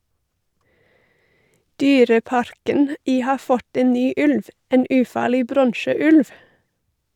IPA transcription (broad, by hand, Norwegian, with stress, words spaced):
ˈdyːɾəˌpɑɾkən ˈiː ˈhɑː ˈfɔt ˈeːn ˈnyː ˈʉlʋ ˈeːn ˈʉːˌfɑːɭɪ ˈbɾɔɳʃəˌʉlʋ